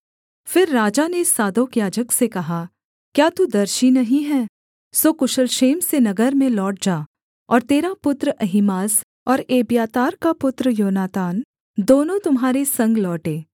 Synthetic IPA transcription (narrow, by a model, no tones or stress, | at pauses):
fɪɾːaːd͡ʒanesaːd̪oːkjaːd͡ʒəksekɐɦa | kjaːt̪ud̪ɐɾʃinɐɦĩɦɛː | soːkʊʃəlʃeːmsenɐɡəɾmẽlɔːʈ̚d͡ʒaː | ɔːɾt̪eːɾapʊt̪ɾəʔɐɦɪmaːs | ɔːɾeːbjaːt̪aːɾkapʊt̪ɾəjoːnaːt̪aːn | d̪oːnõt̪ʊmɦaːɾesɐ̃ŋɡlɔːʈeː